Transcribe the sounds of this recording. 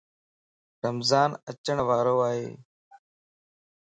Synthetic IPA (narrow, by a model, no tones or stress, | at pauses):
ɾəmzaːnət͡ʃəɳʋaːɾoːaːɦḛː